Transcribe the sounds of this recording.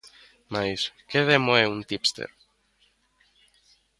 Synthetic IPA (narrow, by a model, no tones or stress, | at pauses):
majskeðemoeunt̪ipst̪ḛɾ